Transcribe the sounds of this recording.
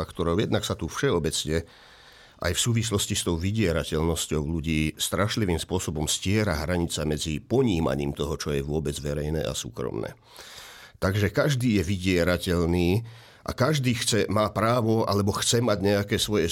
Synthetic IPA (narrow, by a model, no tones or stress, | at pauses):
akt̪ɔɾɔʊjɛd̪naksat̪ufʃɛɔbɛt͡sɲɛ | ʔa̰jfsuːʋislɔscist̪ɔʊʋiɟɪɛɾacɛʎnɔscɔʊluɟiːst̪ɾaʃliʋiːmspʊɔsɔbɔmscɪɛɾa̰ɦɾaɲit͡samɛd͡zipɔɲiːma̰ɲiːmt̪ɔɦɔt͡ʃɔjɛʋʊɔbɛd͡zʋɛɾɛjnɛ̰ːʔa̰sṵːkɾɔ̰mnɛ̰ː | t̪aɡʒɛkaʒd̪iːjɛʋiɟɪɛɾacɛʎniː | ʔa̰kaʒd̪iːxt͡sɛmaːpɾaːʋɔa̰lɛbɔxt͡sɛmaɟɲɛakɛːsʋɔjɛ